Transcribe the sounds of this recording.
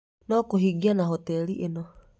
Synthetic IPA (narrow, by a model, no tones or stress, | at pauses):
nokuɦiɡianaɦot̪eliʔino